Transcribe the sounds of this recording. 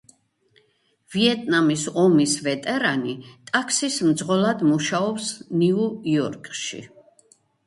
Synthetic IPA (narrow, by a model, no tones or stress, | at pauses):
viɛt̪ʼnamisɔmisvɛt̪ʼɛɾanit̪ʼakʰsismd̪zʁɔlˠad̪muʃaɔpsniuiɔɾkʼʃḭ